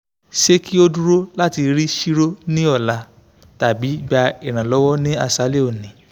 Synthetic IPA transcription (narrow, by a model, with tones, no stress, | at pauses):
ʃe˦ki˦o˧du˦ɾo˦la˦ti˧ɾi˦ʃi˦ɾo˦nĩ˦ɔ˦˨la˨˦ | ta˨bi˨˦˨ɡ͡ba˧i˨ɾ̃ã˨lɔ˨˦wɔ˦nĩ˦a˧˨sa˨˦le˦o˦˨nĩ˨˦